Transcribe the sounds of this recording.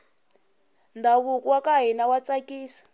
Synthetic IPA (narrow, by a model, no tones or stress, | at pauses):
ndaβukuwakaɦinawat͡sakiːsḁ